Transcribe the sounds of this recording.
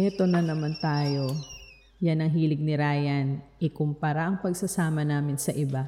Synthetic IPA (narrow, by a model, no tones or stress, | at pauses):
ʔɛt̪o̞nɐnɐmant̪aːjo̞ | janɐŋɦiːlɪɡ̚nɪɾaːjɐnʔɪkʊmpɐɾaʔɐŋpɐɡsɐsaːmɐnaːmɪnsɐʔɪba